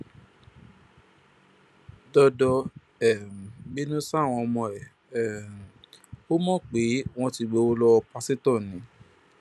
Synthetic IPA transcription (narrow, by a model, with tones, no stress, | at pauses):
dɔ˧dɔ˧ | ɛ˨m˨bi˦nũ˦sa˦˨w̃ɔ̃˧ɔ˧mɔ̃˧ɛ˨ | ɛ˨m˨o˦mɔ̃˦˨k͡pe˨˦w̃ɔ̃˦ti˧ɡ͡be˧˦o˦lɔ˧pa˦si˦tɔ̃˦˨nĩ˨˦